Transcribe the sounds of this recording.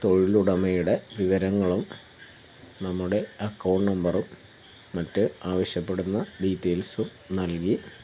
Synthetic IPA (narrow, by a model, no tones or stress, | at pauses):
t̪o̞ɻiluɽɐmɐjuɽe̞ʋiʋɐɾɐŋːɐɭum | nɐmːuɽe̞ɐkːɐwɖnɐmbɐrumː | ɐtːɨaːʋɐɕjɐpːe̞ɽunːɐɖiːtːeːlsum | nɐlki